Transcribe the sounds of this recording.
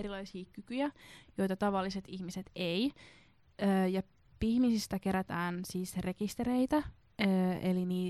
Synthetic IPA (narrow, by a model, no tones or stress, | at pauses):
eɾilɑisiːkykyjæjo̞jt̪ɑt̪ɑʋɑlːiset̪içmiset̪ej | əːjɑ | pihmisist̪æke̞ɾæt̪æːnsiːsre̞kist̪eɾeit̪æ | ḛliniː